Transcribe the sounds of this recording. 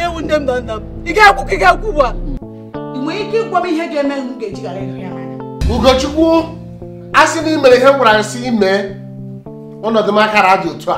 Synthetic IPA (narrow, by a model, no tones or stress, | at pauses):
ewun̩dem̩dɔn̩dam̩iɡakʷukiɡakʷuba | iŋʷeɲikikʷɔmiɦeɡemeŋ̩uɡed͡ʒiɡaɾenaɲama̰ɾauɡot͡ʃukʷu | asɪnimeɾiɦeaɾan̩siime | ɔnɔdɪm̩akaɾadɪotua